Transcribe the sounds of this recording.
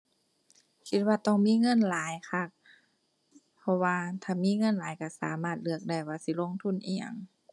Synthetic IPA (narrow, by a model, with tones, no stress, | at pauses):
kʰi˧t̪̚waː˧t̪ɔː˧˩˨ŋmiː˧˥˨ŋɤ˧˥˨nlaː˨˦jkʰa˧˩k̚ | pʰɔ˧waː˧t̪ʰaː˧˩miː˧˥˨ŋɤ˧˥˨nlaː˨˦jka˧˩sa̰ː˨˦maː˧˩t̪̚lɯ˧˩ək̚da˧˩jwaː˧˩si˧˨lo˧˨ŋt̪ʰu˧˥˨nʔḭː˧˩a̰˧˩ŋ